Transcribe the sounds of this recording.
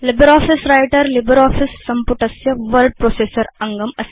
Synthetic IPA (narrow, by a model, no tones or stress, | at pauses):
libɐɾaːfisɾɐjʈɐɾlibɐɾaːfisːɐmpuʈɐsjɐʋɐɾɖ̚pɾoːseːsɐɾɐŋɡɐmɐs